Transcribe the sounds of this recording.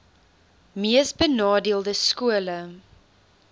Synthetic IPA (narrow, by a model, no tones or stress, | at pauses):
miəsbənɑːdiəlˠdəskuələ